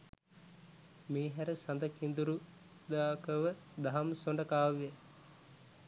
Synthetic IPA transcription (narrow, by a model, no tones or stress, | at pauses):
meːɦæɾəsand̪ɐkind̪uɾu | d̪aːkəʋə | d̪aɦɐmsoɳɖəkaːʋje